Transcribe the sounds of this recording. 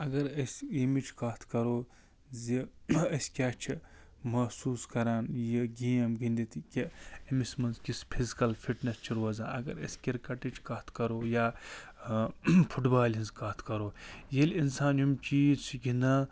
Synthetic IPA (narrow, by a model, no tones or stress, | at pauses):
ɐɡɐɾɐsʲimit͡ʃkaːt̪ʰkɐɾoː | ziɐsʲkʲaːt͡ʃʰi | mɐsuːskɐɾaːnjiɡeːɐmɡind̪it̪ʰkʲeɐmismɐnzkispʰizikɐlfʰiʈnɐst͡ʃʰiɾuɐzaːɐ̰ɡɐ̰ɾɐ̰sʲkʲiɾkɐʈit͡ʃʰkɐːt̪ʰkɐɾoːjaː | pʰuʈbaːlinzkaːt̪ʰkɐɾoːjelinsaːnjumt͡ʃiːt͡sʰɡinɐ